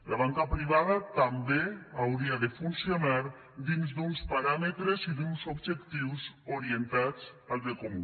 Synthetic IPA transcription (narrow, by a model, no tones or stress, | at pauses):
laβ̞aŋkapɾiβ̞að̞at̪ambeawɾiaðefunsjonaɾ | d̪inzd̪unspaɾamet̪ɾeziðunsobʒekt̪iwsoɾient̪at͡salzðekomu